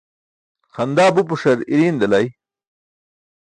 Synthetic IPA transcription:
xɐnd̪aːbup̬uʂɐɾiɾind̪ɐlɐj

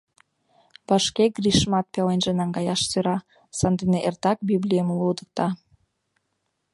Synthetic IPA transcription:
βɑʃkeɡriʃmɑt̪̚pelenʒĕnɑŋɡɑjɑʃsøɾɑ | sɑnd̪eneʔert̪ɑk̚biblʲijəmlud̪ək̚t̪ɑ

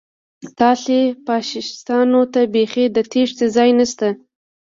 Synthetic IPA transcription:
t̪ɑɬepɑʃɪst̪ɑnot̪abexed̪ət̪ʰeʂt͡sezɑjnast̪a

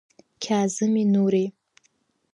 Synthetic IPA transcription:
kʲʰaːzɨminuɾi

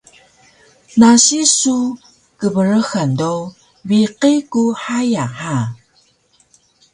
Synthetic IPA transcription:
naɕisu | kəvəɾəxando | wiqikuħajaħa

